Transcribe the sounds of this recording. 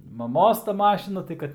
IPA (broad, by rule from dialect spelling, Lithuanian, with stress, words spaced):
mɐˈmoːs tɐ ˈmɑːʃʲɪnɐ tɐɪ ˈkɐt